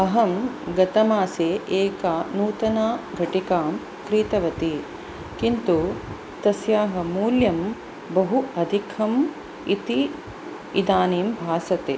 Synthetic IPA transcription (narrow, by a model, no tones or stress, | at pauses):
ɐɦɐmɡɐt̪ɐmaːseːʔeːkanuːt̪ɐnaːɡʱɐʈikaːm | kɾiːt̪ɐʋɐt̪i | kint̪u | t̪ɐsjaːɦɐmuːljɐm | bɐɦuɐd̪ʱikʰɐm | it̪i | id̪aːniːmbʱaːsɐt̪ḛː